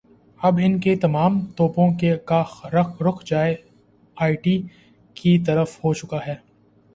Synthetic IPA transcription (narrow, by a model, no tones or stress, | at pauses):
ɐbɪnket̪ɐmaːmt̪ɔːpõkekaːxɾɐɾʊkʰd͡ʒaːe | aːɪʈi | kit̪ɐɾəfhot͡ʃʊkaɦɛː